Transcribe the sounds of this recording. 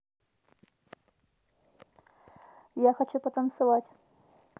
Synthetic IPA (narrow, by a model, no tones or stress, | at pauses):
jaxɐt͡ɕupɐt̪ɐnt̪sɨvatʲ